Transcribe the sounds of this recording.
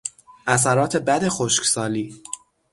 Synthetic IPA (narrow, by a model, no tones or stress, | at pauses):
ʔæs̬æɾɒːt̪ʰe̞bæd̪e̞xoʃcsɒːliː